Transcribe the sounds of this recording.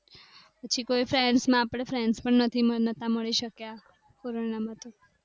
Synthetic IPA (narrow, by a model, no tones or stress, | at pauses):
pət͡ʃʰikoifɾɛnsmãːpɽ̃efʰɾɛnspəɳnət̪ʰimənət̪ãməɭiʃəkja | koɾonamãt̪o